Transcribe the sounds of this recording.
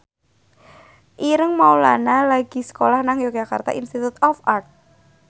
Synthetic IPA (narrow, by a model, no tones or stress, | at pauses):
ʔiɾəŋmaula̰nalaɡ̥i̤sə̥kolahnaŋjoɡd͡ʒaka̰rt̪a̰inst̪it̪ut̪ɔfart̪̚